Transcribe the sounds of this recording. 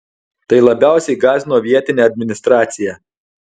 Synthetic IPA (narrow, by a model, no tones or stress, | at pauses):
t̪ɐɪlˠɐbʲæˑʊsʲɛɪɡɑːzʲɪnoːʋʲiɛt̪ʲɪnʲeːɐd̪ʲmʲɪnʲɪst̪ɾɑːt̪sʲɪjɛ